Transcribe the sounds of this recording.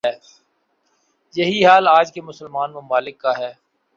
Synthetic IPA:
ɛː | jɐɦiɦaːlaːd͡ʒkemʊsəlmaːnmʊmaːlɪkːaɦɛː

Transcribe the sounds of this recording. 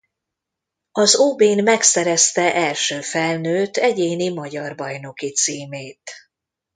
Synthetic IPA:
ɒzoːbeːnmɛksɛɾɛst̪ɛʔɛlʃøːfɛlnøːt̪ɛɟeːnimɒɟɒrbɒjno̞kit̪siːmeːt̪

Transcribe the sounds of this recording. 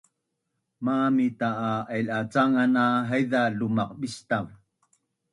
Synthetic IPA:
mamitaːailat͡saŋanaɦajðalumaq̚bistam

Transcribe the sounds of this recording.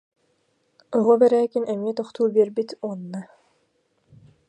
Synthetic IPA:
ɔʁɔbɛɾæːkinʔɛmiɛt̪ɔχt̪uːbiɛɾbit̪uɔnːa

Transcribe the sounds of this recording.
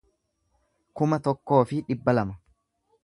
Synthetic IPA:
kʊmɐt̪ɔkːo̞ːfɪᶑɪbːɐlɐmɐ

